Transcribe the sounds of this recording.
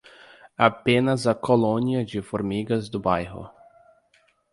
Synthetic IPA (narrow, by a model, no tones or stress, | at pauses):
apẽnɐzɐkolõniɐd͡ʒɪfoɾmiɡɐzd̪ʊbajɦʊ̰